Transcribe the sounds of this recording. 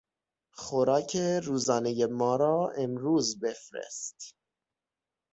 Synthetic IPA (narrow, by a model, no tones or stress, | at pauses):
χoɾɑːcʰeɾuːzɒːnejemɒːɾɒːemɾuːzbefɾḛst̪